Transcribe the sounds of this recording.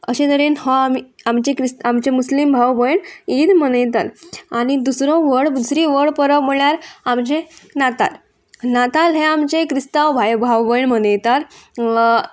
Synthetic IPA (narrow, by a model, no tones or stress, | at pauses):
əɕẽt̪əɾiːnhɔamiamt͡ɕekɾist̪amt͡ɕemuslimbʱawbəjɳit̪mənəjt̪a̰laɽ̃id̪usɾɔ̃ʋəɽd̪usɾiʋəɽpəɾəʋm̤əɭjaɾamt͡ɕẽnat̪a̰l | nat̪alɦeamt͡ɕekɾist̪aʋbʱajbʱawbəjɳmənəjt̪aɾ